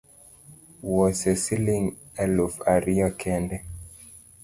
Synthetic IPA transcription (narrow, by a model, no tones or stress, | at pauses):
wɔsɛsiliŋ | ɛlufaɾiakʰɛndɛ